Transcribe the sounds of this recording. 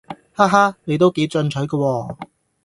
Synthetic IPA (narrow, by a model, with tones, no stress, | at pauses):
haː˥ɦaː˥ne˨˧jt̪o˥wke˨˥jt͡sœ˧nt͡ʃʰɵ˨˥kɐː˧wɔː˧